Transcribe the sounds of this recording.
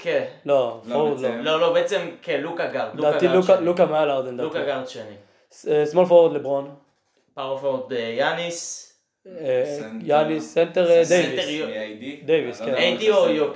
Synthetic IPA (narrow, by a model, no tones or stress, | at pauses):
kelofot̪lololobeet͡semkelukaɡaʁd̪aitlukalukamaalaʁd̪end̪aaɡaʁd̪ʃeni | sesmolfoot̪lebʁon | paʁofoot̪ejanis | janisːent̪eʁd̪ejvit | d̪ejviskenejd̪iojok